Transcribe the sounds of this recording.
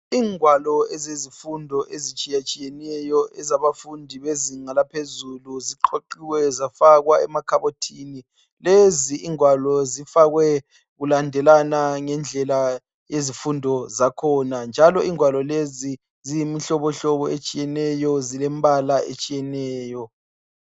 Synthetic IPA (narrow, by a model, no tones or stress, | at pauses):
iːŋwalɔɛzezifundʱɔʔezit͡ʃʼijat͡ʃʼijɛnɛjɔʔɛzaβafundʱiβeziŋalapʰezuluziǃʰoǃiwɛzafaɣwaɛ̰makʰaβotʰiːni | leziiŋwalɔzifaɣwɛ | ɣulandʱɛlanaŋɛnd͡ɮʱɛla | jezifundʱɔzakʰɔnand͡ʒʱalɔiŋwalɔlezi | zijimiɬɔβɔɬɔβɔet͡ʃʼijɛnɛjɔzilɛmbʱalaḛt͡ʃʼijɛnɛːjɔ